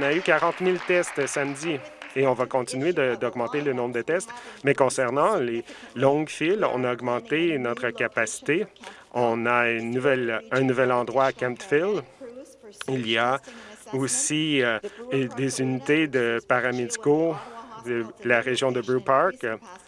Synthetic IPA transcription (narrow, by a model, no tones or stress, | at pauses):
ɔ̃naykaʁɑ̃t̪milt̪ɛst̪samd̪i | eɔ̃vakɔ̃t̪inyed̪əd̪ɔɡmɑ̃t̪elənɔ̃bʁd̪ət̪ɛst̪mɛkɔ̃sɛʁnɑ̃lelɔ̃ɡfilɔ̰̃naɔɡmɑ̃t̪enɔt̪χəkʲapasi̥t̪e | ɔ̃naynːuvɛlɛ̃nuvɛlɑ̃d̪ʁwaːkʲɛ̃mt̪fɪl | ilijaosi | d̪ezynit̪ed̪əpaʁamed͡z̪ikodəlaʁeʒjɔ̃d̪əbupaɹk